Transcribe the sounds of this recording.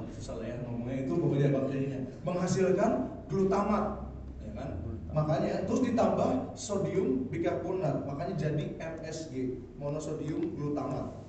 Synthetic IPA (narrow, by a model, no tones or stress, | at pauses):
sasa̰lajamamuŋait̪ubowadiabakd͡ʒaiɲaməŋɦasilkan | ɡlut̪amaʔ | jakanmakaɲat̪əɾʊsdit̪ambahsodiʊmbiɡaʔpunat̪̚makaɲad͡ʒadiɛmɛsɡe | monosodiʊmɡlut̪ama̰ʔ